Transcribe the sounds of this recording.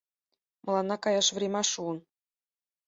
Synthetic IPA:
mʔɤ̆lˠɑnːɑkɑjɑʂʋʲrʲemʲɑʂuɤ̆n

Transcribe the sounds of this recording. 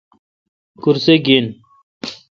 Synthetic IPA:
kuɾseɡin

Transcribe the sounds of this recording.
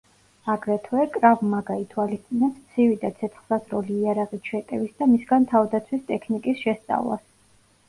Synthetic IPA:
aɡɾɛt̪ʰwɛkʼɾavmaɡait̪ʰwalist̪sʼinɛpst̪sʰivid̪at̪sʰɛt̪ʰχsasɾɔliːaɾaʁit͡ʃʰwɛt̪ʼɛvisd̪amisɡant̪ʰavd̪at̪sʰwist̪ʼɛkʰnikʼisʃɛst̪sʼa̰vlˠa̰s

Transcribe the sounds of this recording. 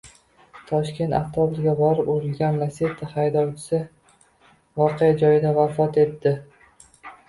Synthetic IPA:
t̪ʰɒʃkʲe̞nt̪a̰t̪ʰːɒbɪɾɡʲabɒɾɪpoɾɪɡʲanlaset̪ʰːɪhajd̪ɒwt͡ʃʰɪ̥sɪ | vɒqʰejad͡ʒɒjɪd̪avafɒt̪e̞t̪ːɪ

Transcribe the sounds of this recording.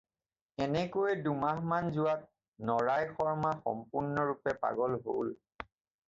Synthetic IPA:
ɛnɛkojɛdumaɦmanzʊat̚ | nɔɹajxɔɹmaxɔ̰mpʊɹnɔɹupɛpa̰ɡɔlɦo̰l

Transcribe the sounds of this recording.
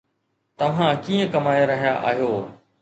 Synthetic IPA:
t̪ɐʋ̤ãkiːə̃kɐmaːeɾɐɦijaʔa̰ːɦjoː

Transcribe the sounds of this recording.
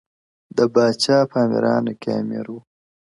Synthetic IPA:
d̪əbaːt͡ʃaːpaːmḭɾɑːnɐkaːmiɾu

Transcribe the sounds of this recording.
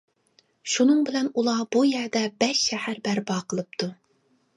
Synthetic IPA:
ʃunɨŋbɪlɛnulˠɑb̥ujæɾd̪ɛbɛʃːɛhæɾbæɾbɑːqʰəlˠɨp̚t̪ʰu

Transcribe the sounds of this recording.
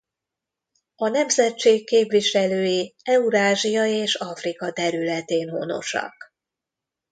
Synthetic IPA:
ɒnɛmzɛt͡ʃːeːkːeːpʋiʃɛløːjiɛuɾaːʒijɒjeːʃɒfrikɒt̪ɛɾylɛt̪eːnɦo̰no̞̰ʃɒ̰k

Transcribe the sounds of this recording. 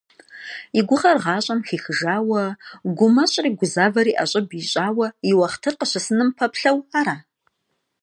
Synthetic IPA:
iɡʷʊʁɐrʁɑːɕʼɐmxiːxɨʒaːwɐɡʷʊmɐɕʼriːɡʷʊzaːvɐɾiːʔaɕʼɪbiɕʼaːwɐiwɐχtʰɨrqəɕɐsɨnɨmpʰɐpɬɐwaːɾaː

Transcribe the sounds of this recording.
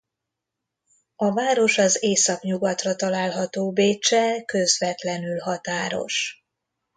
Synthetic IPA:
ɒvaːɾo̞ʃɒzeːsɒkɲuɡɒt̪rɒt̪ɒlaːlɦɒt̪oːbeːt͡ʃːɛkø̞zvɛt̪lɛnylɦɒt̪aːɾo̞̰ʃ

